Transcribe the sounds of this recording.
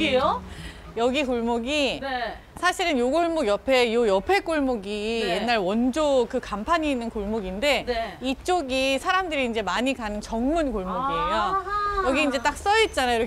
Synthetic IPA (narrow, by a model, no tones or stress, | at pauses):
eo | jʌɡikoɭmoɡi | sʰaɕʰiɾɯnjoɡoɭmoɡjʌpʰe̞jojʌpʰe̞k͈oɭmoɡije̞nːaɾwʌnd͡ʑokɯkampʰaɲiːnːɯnkoɭmoɡinde̞nit͡ɕ͈oɡisʰaɾamdɯɾiːnd͡ʑe̞maɲikanɯnt͡ɕʌŋmunkoɭmoɡie̞jojʌɡiːnd͡ʑe̞t͈ak̚s͈ʌit̚t͡ɕ͈anajo